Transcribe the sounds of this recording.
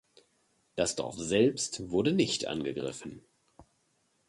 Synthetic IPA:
d̥asd̥ɔ̰ɐfz̥ɛlpstv̥ʊɐdənɪçtʔa̰nɡəɡʁɪ̰fn̩

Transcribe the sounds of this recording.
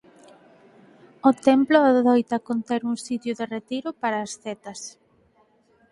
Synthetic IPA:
ot̪ɛmploaðojt̪ɐkont̪eɾuŋsit̪jʊðeret̪iɾʊpaɾɐːsθet̪ɐs

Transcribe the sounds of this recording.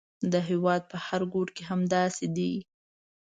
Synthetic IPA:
d̪əɦewɑd̪̚pəhaɾɡoɖkeɦamd̪ɑsed̪i

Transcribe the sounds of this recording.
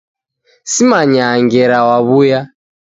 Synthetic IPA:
simaɲaːŋɡɛɾawaβuja

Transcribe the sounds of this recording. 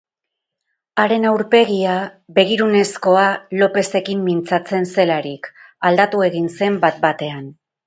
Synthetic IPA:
aɾe̞nawɾpe̞ɣiaβe̞ɣiɾune̞sko̞alo̞pe̞se̞kimːint͡sat͡se̞nse̞laɾik | ald̪at̪ue̞ɣinse̞mbat̪̚bat̪e̞an

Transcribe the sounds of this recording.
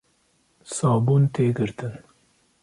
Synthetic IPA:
sɑːbunt̪ʰeːɡəɾt̪ɨn

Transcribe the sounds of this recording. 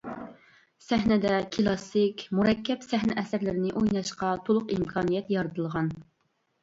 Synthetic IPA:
sɛhnɪd̪ɛkʲʰilˠɑsɪkʲmuɾɛkʲʰːɛpsɛhnɛʔɛsɪɾlɪɾɪnɪʔojnɑʃqɑt̪ʰolˠʊqimkʰɑːnijɛt̪jɑɾɨt̪ʰɨlˠʁɑn

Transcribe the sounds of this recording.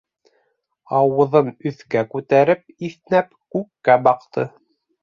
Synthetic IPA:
ɑwɤ̆ðɤnɵ̆θkækʉt̪æɾɘp̚iθnæpkʉkːæbɑqt̪ɤ

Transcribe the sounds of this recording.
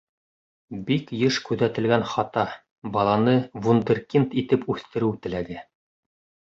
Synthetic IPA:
bikjɤʃkʉðæt̪ɘ̆lɡænχɑt̪ɑ | bɑlˠɑnɤvund̪ɘrkint̪it̪ɘpʉθt̪ɘ̆ɾɘwt̪ɘ̆læɡɘ

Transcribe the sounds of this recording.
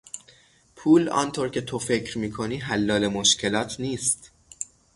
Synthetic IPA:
pʰuːlɒ̰ːnt̪ʰoɾcʰe̞t̪ʰo̞fe̞cʰɾmiːkʰoniːɦælːɒːlemoʃcʰe̞lɒːt̪ʰniːst̪

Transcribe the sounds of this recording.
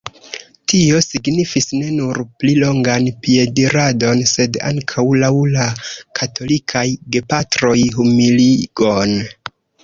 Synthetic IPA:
tio̞siɡnifisne̞nuɾplilo̞ŋɡanpie̞diɾado̞nse̞da̰ŋkʰawlawlakʰatʰo̞likʰajɡe̞patɾo̞jɦumiliɡ̥o̞n

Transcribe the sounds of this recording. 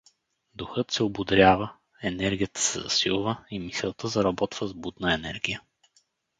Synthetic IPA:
d̪ʊxɤt̪sɛobʊd̪ɾʲjavə | ɛnɛɾɡʲijət̪ə̥sɛ̰zɐ̰silˠvəimisɛlˠt̪əzɐɾɐbɔt̪v̥əzbud̪nəɛnɛɾɡʲijə

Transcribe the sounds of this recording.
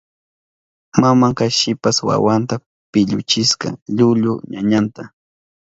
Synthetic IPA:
mamaŋkaʃɪpaswa̰want̪a | pɪʎʊ̰t͡ʃɪska̰ʎʊʎʊɲaɲant̪a

